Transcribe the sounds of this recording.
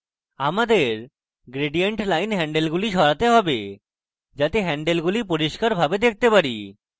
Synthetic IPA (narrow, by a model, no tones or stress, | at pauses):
amad̪eɾ | ɡɾeɖieɳʈlajnɦɛɳɖelɡuliʃɔɾat̪eɦɔbe | d͡ʑat̪eɦɛɳɖelɡulip̬oɾiʃkaɾbʱabed̪ek̚ʰt̪epaɾi